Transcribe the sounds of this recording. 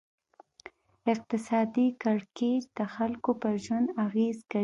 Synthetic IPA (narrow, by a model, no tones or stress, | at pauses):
ɪq̚t̪ɪsɑd̪ikaɽked͡ʒd̪̥əxalkopəɾʒwand̪aɣezka